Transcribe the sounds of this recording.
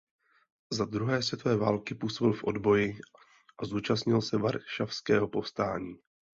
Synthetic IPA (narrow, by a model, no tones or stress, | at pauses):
zad̪ɾuɦɛːsvjɛt̪ovɛːvaːlkɪpuːso̞bɪlfʔo̞dbo̞jɪ | ʔazuːt͡ʃastɲɪlsɛvaɾʃafskɛːɦo̞po̞fst̪aːɲiː